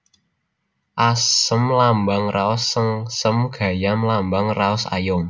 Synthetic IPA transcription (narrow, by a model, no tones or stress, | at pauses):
ʔasəmlambaŋraʊsːəŋsəmɡ̥a̤jamlambaŋraʊsa̰jʊm